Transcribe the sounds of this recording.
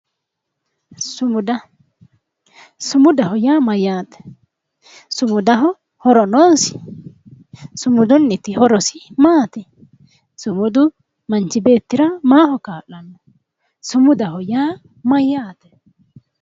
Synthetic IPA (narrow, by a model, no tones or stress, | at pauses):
sʊd̪ɐ | sʊmʊd̪ɐhɔjaːmɐjːaːt̪ɛ̥ | sʊmʊd̪ɐɦɔ | hɔɾɔnoːnsɪ̥ | sʊmʊd̪ɔnːɪt̪ːɪhɔɾɔsɪmaːt̪ɛ | sʊmʊd̪ʊ | mɐnt͡ʃːɪbe̞ːt̪ːɪɾɐmaːhɔkaːʔːɐnːɐ | sʊmʊd̪ɐhɔjaː | mɐjːaːt̪ɛ̥